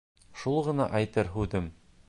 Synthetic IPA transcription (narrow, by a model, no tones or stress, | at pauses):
ʃulˠʁɤ̆nɑʔɑjt̪ɤɾɦʉðɘm